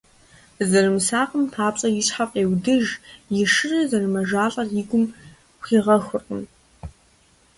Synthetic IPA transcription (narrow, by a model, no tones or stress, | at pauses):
zɐrɨmsaːqəmpʰaːpɕʼɐjɪɕħapʼeːwdɨʒjɪʂɨrɐzɐrɨmɐʒaːɬʼɐrjɪɡʷʊmʷ | xiːʁɐxʷʊrqʼɨm